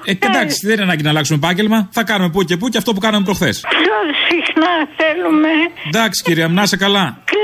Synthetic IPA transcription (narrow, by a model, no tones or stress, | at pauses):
eed̪ɐksi̥ðeninɐnɐɲɟinɐlɐksumepɐɲɟe̞lmɐθɐkɐnume̞p̬uce̞p̬uceɐft̪o̞p̬ukɐnume̞p̬ɾo̞xθe̞spçosixnɐθelumed̪ɐksi̥ciɾiɐmnɐsekɐlɐ